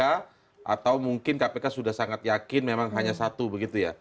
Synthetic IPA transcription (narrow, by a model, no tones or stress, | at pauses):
a | ʔa̰t̪awmuŋkɪnkapekasudahsaŋat̪̚jakɪnmemaŋɦaɲasat̪ubəɡit̪uja